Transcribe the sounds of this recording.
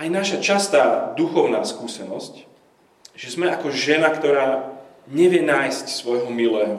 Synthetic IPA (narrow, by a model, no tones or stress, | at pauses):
ʔajnaʃat͡ʃast̪aːd̪uxɔʊnaːskuːsɛnɔsc | ʒ̥ɛzmɛʔakɔʒɛnakt̪ɔɾaːɲɛʋɪjɛnaːjscsʋɔjɦɔmilɛːɦɔ